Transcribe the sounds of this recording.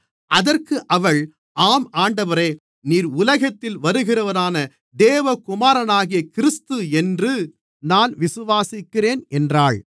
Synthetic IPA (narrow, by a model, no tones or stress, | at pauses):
ʔɐðɐrkɯʔɐʋɐɭ | ʔaːmaːɳɖɐʋɐɾɐː | niːɾʊlɐɣɐt̪ːɪlʋɐɾɯɣɪrɐʋɐnaːnɐ | d̪eːʋɐkʊmaːɾɐnaːɣɪjɐkɪɾɪst̪ɯɛndrɯ | naːnʋɪsɯʋaːsɪkːɪreːnɛndraːɭ